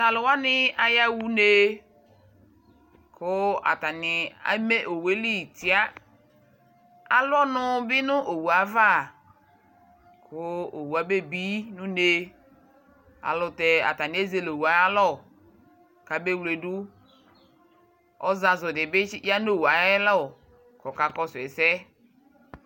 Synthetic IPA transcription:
ta˨lʊ˨wa˦nɪ˦a˨ja˦wu˦ne˦ | kʊ˦a̰˨ta˨nɪ˨a̰˨˦me˦ʔo˨we˨˦li˦˨ti˨a˦ | a˨lɔ˦nʊ˦bɪ˦nʊ˦ʔo˨wu˨a˨va˦˨ | kʰʊ˦o˨wu˨a˨be˦bi˦nũ˦ne˦ | a̰˨lɔ˨te˨a̰˨ta˨nɪ˨˦e˦ze˦lo˨wu˨a˨˦a˦lɔ˦˨ | ka˨be˦wle˨du˦ | ɔ˦za˨zɔ˨dɪ˨bɪ˦ja˦no˦˨wa˨ɛ˦lɔ˦˨ | kɔ˨ka˨kɔ˦swɛ˨sɛ˦

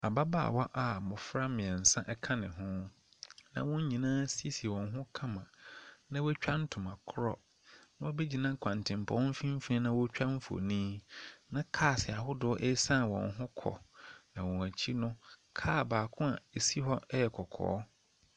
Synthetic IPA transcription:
a˨ba˦ba̰˦˨wa˦ʔa˨mʊ̃˨fɾa˦mɪ̃˨ɛ˨n̩˨sã˦ʔɛ˦kʰã˦nɪ̃˨ɦʊ̃˦ | nã̰˨wɔ̃˦ɲ̩˦ɲĩ˨nãː˦si˦e˦swɔ̃˨nɦʊ̃˦kʰã˦mã˨nã˦wɛ˦t͡ɕᶣa˦n̩˦tʰʊ̃˨mã˨kʰʊ˦ɾɔ̰˦ | nã˦wɔ˦be˦d͡ʑi˨nã˦kʰʷã˨n˨tʰɪ̃˨m˨pʰɔ̃˨˦m̩˦fĩ˦m̩˦fi˦nĩ˦nã˦wɔ˦t͡ɕᶣa˦m̩˦fo̰˨nĩː˦nã˦kʰaː˦˨sɛ˨a˨ɦʊ˦dʊ˨˦ɔ˦ʔe˦sã˦˨wɔ̰̃˨nɦʊ̃˦kʰɔ̰˨nã˨wɔ̃˨æ˨t͡ɕʰi˦nʊ̃˦kʰaː˦˨baː˨kʰʊ̃˦a˨e˨si˦ɦɔ˦ɛ˦jɛ˨kʰɔ˨kʰɔ̰ː˨˦

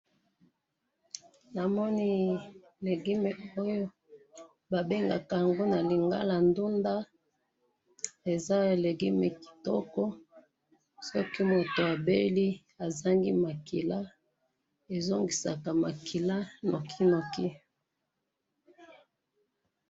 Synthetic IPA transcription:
na˨mɔ˦ni˦ | le˨ɡi˦me˨o˦jo˦ | ba˨be˦ŋɡa̰˨ka˨ja˨ŋɡo˦na˨li˨ŋɡa̰˦la˨ndu˦nda˦ | e˨za˦˨le˨ɡi˦me˨ki̥˨tɔ̰˦kɔ˦ | sɔ˦ki˦mo˨to˨a˨be˦li˦ | a˨za˦ŋɡi˦ma˨ki˨la˦ | e˨zo˦ŋɡi˨sa˨ka˨ma˨kʰi˨la˦na˨kʰi˦no˨ki˦

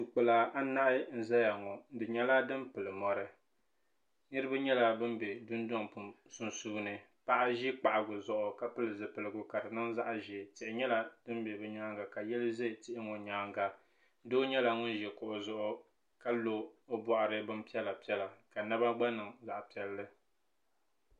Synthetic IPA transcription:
tu˨k͡pɨ˨la˨a˦na˦ʔɪ˦n̩˦za˦ja˨ŋɔ˨˦dɨ˨ɲɛ˦la˦dɨ˦mpɨ˨lɨ˨mɔ˨ɾɨ˦ | nɨ˦ɾɨ˦ba˦ɲɛ˦la˨bɨ˦m˦bɛ˨dʊ˦n˦dɔ˦ŋpu˨ | su˦nsuː˦nɨ˨pa˦ʔa˦ʒi˦k͡pa˨ʔa˨ɡʊ˨zʊ˨ʔʊ˨ka˨pɨ˦lɨ˨zɨ˨pɨ˨lɨ˨ɡʊ˨ka˨dɨ˨nɨ˦ŋza˦ʔʒi˨tɪ˨ɪ˨ɲɛ˦la˨dɨ˦m˦bɛ˨bɨ˦ɲaː˦ŋɡa˨ka˨jɛ˦lɨ˦ʒe˦˨tɪ˦ʔɪ˦ŋɔ˨ɲaː˦ŋɡa˨˦ | doː˦ɲɛ˦la˨ŋʊ˦n˦ʒɛ˨kʊ˨ʔʊ˨zʊ˦ʔʊ˦ | ka˦lo˨o˦bɔ˨ʔa˨ɾɨ˦bɨ˦mpi˦ɛ˦la˨pi˦ɛ˦la˨ka˨nɨ˦ba˦ɡ͡ba˦nɨ˨ŋza˨ʔpi˨ɛ˦lːɨ˦

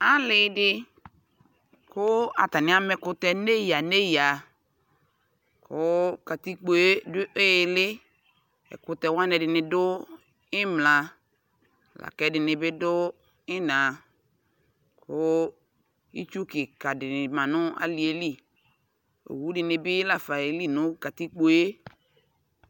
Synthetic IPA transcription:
a˦lɪ˨˦dɪ˦ | kʰʊ˦a̰˨ta˨nɪ˦a˦mɛ˨˦kʊ˦tɛ˦ne˦ja˨ne˦ja˨ | kʰʊ˦ka˨ti˦k͡po˨e˦dʊ˦ʔe˦˨lɪ˦ | ɛ̰˨kʊ˦tɛ˨wã˦nɛ˨dɪ˨nɪ˨dʊ˦ | ɪ˦mla˨ | la̰˨kɛ˦dɪ˨nɪ˨bɪ˦dʊ˦ | ɪ˦nã˨ | kʰʊ˦ | ḭ˦t͡ʃu˦kɪ˨ka˨dɪ˨nɪ˨mã˨nʊ˦a̰˦li˨e˦li˦ | o̰˨wu˦dɪ˨nɪ˨bɪ˦la˨fa˨e˨li˦nʊ̃˦ka˨ti˦k͡po˨˦e˦

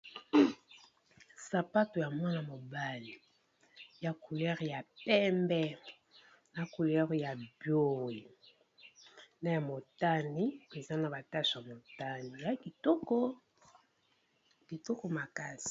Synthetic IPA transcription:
sa˨pa˦to˨ja˨mwa˦na˨mo˨ba˦li˨ | ja˨ku˨lɛ˦ʁja˨pɛ˦mbɛ˦ | na˨ku˨lɛ˦ʁja˨bjo˦i˨ | na˦ja˨mo˨ta˦ni˦e˨za˦na˨ba˨ta˦ʃa˨mo˨ta˦ni˨ja˨ki˨tɔ˦kɔ˦ | ki˨to˦ko˦ma˨ka˦si̥˨

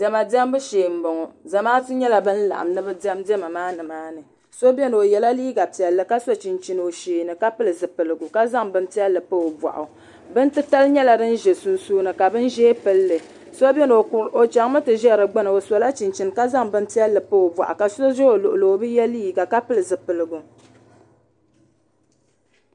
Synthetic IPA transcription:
dɛ˨ma˨di˦ɛ˦mbɨ˦ʃeː˨m̩˦bɔ˨ŋɔ˨za˨maː˦tɨ˦ɲɛ˦la˨bɨ˦n̩˦la̰˨ʔa̰˨mnɨ˦bɨ˦dɛ˦mdɛ˦ma˨maː˦nɨ˨maː˦nɨ˨ | so˦bɛ˦nɨ˨o˨jɛ˨la˦liː˦ɡa˨pi˨ɛ˨lːɨ˨ka˦so˦t͡ʃi˨nt͡ʃi˨nɨ˨o˨ʃeː˨nɨ˨ka˦pɨ˦lɨ˨zɨ˨pɨ˨lɨ˨ɡʊ˨ka˦za˦ŋbɨ˦npi˦ɛ˦lːɨ˨pɨ˦o˨ba̰˨ʔʊ˨ | bɨ˦n̩˦tɨ˦ta˦lɲɛ˦la˨dɨ˦n̩˦ʒɛ˨su˨nsuː˦nɨ˨ka˨bɨ˦n˦ʒɛː˦pɨ˦lːɨ˨ | so˦bɛ˦n˨o˨t͡ʃa˨ŋ˦mɨ˦tɨ˨ʒɛ˦˨ɾɨ˨ɡ͡ba˦nɨ˨o˨so˨la˦t͡ʃi˨nt͡ʃi˨nka˦za˦ŋbɨ˦n˦ti˦ɛ˦lːɨ˨pɨ˦o˨bwa̰˨ʔa̰˨ka˨so˦ʒɛ˦o˨lʊ˨ʔʊ˨lo˨o˨bɨ˦jɛ˦liː˦ɡa˨ka˦pɨ˦lɨ˨zɨ˨pɨ˨lɨ˨ɡu˨

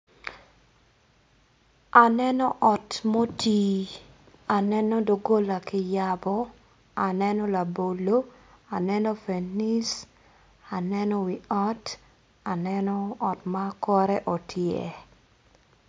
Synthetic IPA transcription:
a˨nɛ˦nɔ˦ʔɔ˨tmo˦ti˨ | a˨nɛ˦nɔ˦do˨ɡo˦la˨kɪ˨jabɔ˦ | a˨nɛ˦nɔ˦la˨bo˨lo˦ | a˨nɛ˦nɔ˦fe˨ni˦s | a˨nɛnɔ˦wi˨a˦t | a˨nɛnɔː˦˨tmakɔ˦ɾɛ˦ʔo˨tʰjḛ˦

